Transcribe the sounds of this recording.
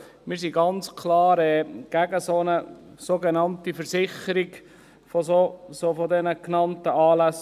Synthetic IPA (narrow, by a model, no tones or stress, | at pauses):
mɪːɾsiɡɑnt͡skʰlɑːɾɛɡ̥æɡəsonəsoɡenɑntifəɾsɪχəɾiɡ | fɔsosofɔdɛnəknɑntəɑːlæs